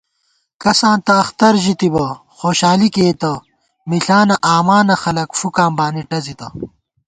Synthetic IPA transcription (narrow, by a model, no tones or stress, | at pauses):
kɐsãːnt̪ɐːxt̪ɐɾʑit̪ibɐ | xoːɕaːlikeːt̪ɐ | miɬaːnɐʔaːmaːnɐxɐlɐkfukãːmbaːniʈɐzit̪ɐ